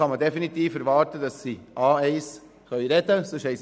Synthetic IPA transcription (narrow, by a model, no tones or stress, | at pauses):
ɑmədefinit̪iːfɛɾʋɑːɾtədɑsːiːʔɑːɛɪs | χœʏɾɛdəsoʃhɛɪs